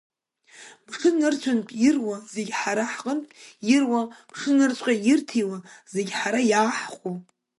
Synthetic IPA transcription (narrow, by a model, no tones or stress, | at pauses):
b̥ʂɨnɨrt͡ʃʷʰanpʼirwazeɡʲħaɾaħqʼənpʼjirwab̥ʂɨnɨrt͡ʃʷʼqʲʼajirtʰijwaz̥eɡʲħaɾajaːħqʷʼo